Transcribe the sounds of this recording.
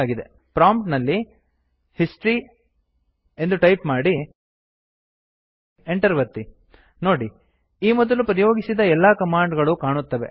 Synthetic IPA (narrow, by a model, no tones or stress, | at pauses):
aːɡid̪e̞ | pɾaːmpʈnɐlːi | hisʈɾi | e̞nd̪uʈɐjpmaːɽi | eɳʈɐɾʋɐɾt̪ːi | no̞ːɽi | iːmɔd̪ɐlupɐɾijo̞ːɡisid̪ɐɛlːakɐmaːɳɖɡɐɭukaːɳut̪ːɐʋe̞̰